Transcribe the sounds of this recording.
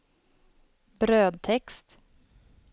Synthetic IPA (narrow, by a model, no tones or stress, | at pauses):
bɾøːd̪̚t̪ʰɛkst̪